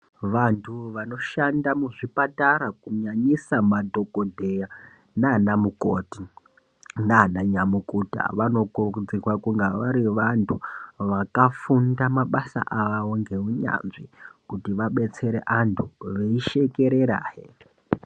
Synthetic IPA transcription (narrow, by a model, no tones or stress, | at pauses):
ʋantʰuʋano̞ʃandamuʐipataɾakuɲaɲisamadʱo̞kodʱeja | nanamukoːti | nanaɲamukuta̰ʋano̞kurud͡zikwakuŋɡaʋaɾiʋantʰuʋakafundamaɓasa̰ʔaʋaʋo̞ŋɡe̞ɦuɲa̰nʐikutiʋaɓe̞t͡se̞ɾeʔantʰuʋeiʃe̞ke̞ɾeɾa̰ːɦe